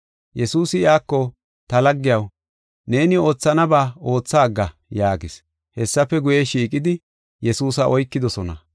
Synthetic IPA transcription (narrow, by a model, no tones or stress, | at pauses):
jɛsuːsɪjaːkːɔ | t̪ɐlɐɡːɪjɐw | ne̞ːnɪo̞ːt͡sːɐnɐbaːo̞ːt͡sːaːɡːɐjaːɡɪs | hɛsːɐfːɛɡʊjɛʃiːkʼɪd̪ɪ | jɛsuːsɐʔɔjkːɪd̪ɔsɔnɐ̰